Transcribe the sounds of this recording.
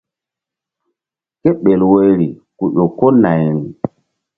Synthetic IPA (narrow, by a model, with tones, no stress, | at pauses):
ke˦ɓe˨lwe˨jɾi˨ | ku˨ɗo˨ko˦na˨jɾi˨